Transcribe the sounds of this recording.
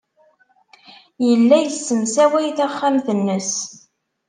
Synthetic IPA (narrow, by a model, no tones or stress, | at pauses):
jəlːæjəsːənsæwæjθæχːæmθənːəs